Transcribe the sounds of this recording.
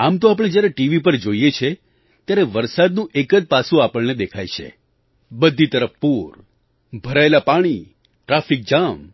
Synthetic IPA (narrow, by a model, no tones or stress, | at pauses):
amt̪oap̬əɽ̃ed͡ʒjaɾeʈiʋipəɾd͡ʒoijet͡ʃʰe | t̪jaɾeʋəɾsad̪nũʔekəd͡ʒpasũapəɭned̪ekʰajt͡ʃʰḛ | bəd̪ʱːit̪əɾəfpoɾ | bʱəɾaelapaɽ̃i | ʈɾafik̚d͡ʒam